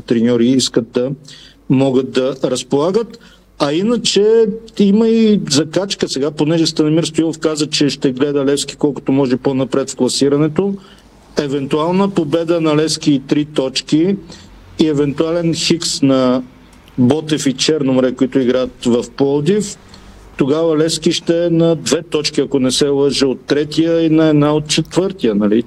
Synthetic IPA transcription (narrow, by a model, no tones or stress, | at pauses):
t̪ɾɛnʲɔɾiiskət̪̚d̪ɐ | mɔɡət̪̚d̪ɐɾɐspolˠaɡət̪ | ɐinət͡ʃɛiməizɐkat͡ʃkəsɛɡaponɛʒɛst̪ɐnɐmiɾst̪ʊilˠofkazət͡ʃɛʃt̪ɛɡlɛd̪əlɛfski̥kɔlˠkʊ̥t̪omɔʒɛponɐpɾɛt̪fklˠɐsiɾɐnɛt̪o | ɛvɛnt̪ualˠnəpobɛd̪ənɐlɛsk̟iːt̪ɾit̪ɔt͡ʃkiː | ɛvɛnt̪ualɛnxiksnɐ | bɔt̪ɛfit͡ʃɛɾnomɾɛkoit̪ʊiɡɾaət̪vɐfpɔlˠd̪if | t̪oɡavɐlɛskiʃt̪ɛnɐd̪vɛt̪ɔt͡ʃkʲiɐkonɛsɛlˠəʒɛot̪ːɾɛt̪ijəinɐɛd̪naot̪̚t͡ʃɛt̪vɤɾt̪ijənɐli